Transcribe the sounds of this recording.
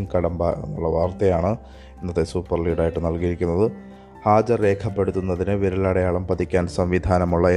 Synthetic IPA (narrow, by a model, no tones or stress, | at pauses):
mkɐɽɐmbɐɐlːɐʋaːrt̪ɐjaːɳɨ | enːɐt̪ːesuːpːɐrliːɽaːjiʈːɨnɐlkijiɾikʲːunːɐðɨ | haːd͡ʑɐre̞ːkʰɐpːe̞ɽut̪ːunːɐðinɨʋiɾulaːɽɐjaːɭɐmpɐt̪ikʲːaːnsɐmʋid̪ʱaːnɐmuɭːɐe